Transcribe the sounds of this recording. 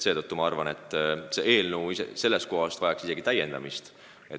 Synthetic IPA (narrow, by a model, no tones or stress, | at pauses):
se̞ːd̪ɤt̪ːumɑɑrvɑne̞t̪ːˑse̞ʔeːlnəwisḛse̞lːest̪̚ko̞ɦɑst̪vɑjɑksise̞ɡit̪æje̞nd̪̥ɑ̰mist̪ | e